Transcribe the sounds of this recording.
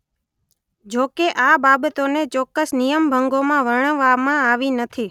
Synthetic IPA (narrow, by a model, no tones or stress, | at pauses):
d͡ʒokeʔababət̪onet͡ʃɔkːəsnijəmbʱəŋɡomãʋəɳ̃əʋamãaʋinət̪ʰi